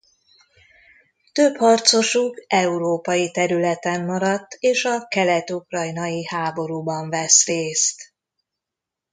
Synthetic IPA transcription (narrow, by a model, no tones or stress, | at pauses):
t̪øphɒrt̪so̞ʃukɛuɾoːpɒjit̪ɛɾylɛt̪ɛmːɒɾɒt̪ːeːʃɒkɛlɛt̪ukrɒjnɒjihaːbo̞ɾuːbɒɱvɛsreːst̪